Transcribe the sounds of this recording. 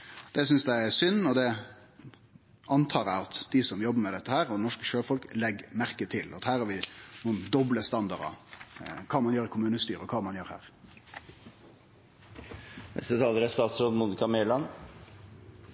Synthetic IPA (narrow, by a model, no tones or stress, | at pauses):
d̪ɛs̬ʏnsd̪ææsʏnːɔd̪ɛ | ɑnt̪ʰɑːɾæ̰ɑt̪d̪̥ɪsɔmjɔbːəɾmɛd̪ɛt̪ːəhæːɾɔd̪ɛnɔʂkəʃøːfɔlklɛɡmæɾkət̪ʰɪlʔɑ̰t̪hæːɾɑɾʋɪnuːənd̪ɔbləst̪ɑnd̪ɑɾɑ̰ | kʰɑːmɑnjøːɾɪkʰʊmʉːnəst̪y̰ːɾəɔkʰɑːmɑnjøːɾhæ̰ːɾ | nɛ̰st̪ət̪ʰɑːləɾæst̪ɑːt̪sɾoːd̪muːnɪkɑmeːlɑn